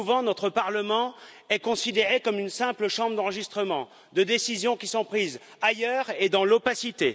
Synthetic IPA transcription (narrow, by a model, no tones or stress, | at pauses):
uvɑ̃nɔt̪χəpaʁləmɑ̃ | ɛkɔ̃sid̪eʁekɔmynsɛ̃pləʃɑ̃bʁd̪ɑ̃ʁəʒist̪χəmɑ̃ | d̪əd̪esizjɔ̃kʲisɔ̃pχiz | ajœʁed̪ɑ̃lopasit̪e